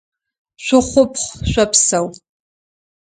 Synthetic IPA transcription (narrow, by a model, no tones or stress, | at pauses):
ʃʷʊχʷʊpʰχʷʃʷapʰsɐw